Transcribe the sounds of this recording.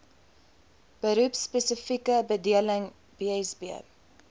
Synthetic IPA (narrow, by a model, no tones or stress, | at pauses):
b̥əɾupspɛsəfikəbədiələŋ | b̥iɛsbiə̰